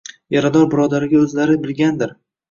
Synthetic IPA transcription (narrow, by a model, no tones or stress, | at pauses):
jaɾad̪ɒɾbɪɾɒd̪aɾɪɡʲaɵzlaɾɪbɪlˠɡʲand̪ɪɾ